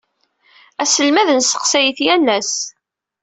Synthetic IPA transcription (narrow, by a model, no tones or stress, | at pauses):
æsəlmæðənsə̥qsæjəθjælːæs